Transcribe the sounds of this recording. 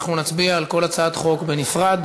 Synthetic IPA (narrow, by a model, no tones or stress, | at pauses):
χnunat͡sbiaːlko̞lat͡saat̪χo̞kbenifʁad̪